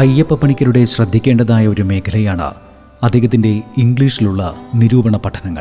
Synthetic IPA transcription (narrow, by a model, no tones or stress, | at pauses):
ɐjɐpːɐpːɐɳikʲːɐɾuɽe̞ɕrɐd̪ʱːikʲːe̞ːɳɖɐðaːjɐo̞ɾume̞ːkʰɐlɐjaːɳɨ̰ | ɐd̪ʱːeːɣɐt̪̬ːinde̞iŋɡɭiːʂiluɭːɐ̰niɾuːbɐɳɐpɐʈʰːɐnɐŋːɐɭ